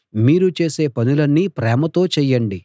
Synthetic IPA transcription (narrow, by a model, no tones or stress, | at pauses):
miːɾut͡ʃe̞ːse̞ːpɐnulɐnːipɾɛːmɐt̪o̞ːt͡ʃɛjɐɳɖi